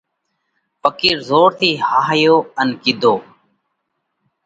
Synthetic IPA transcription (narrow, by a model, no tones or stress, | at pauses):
pəkiːɾzoːɾt̪ʰiːhaːɦjoːənkid̪ʱoː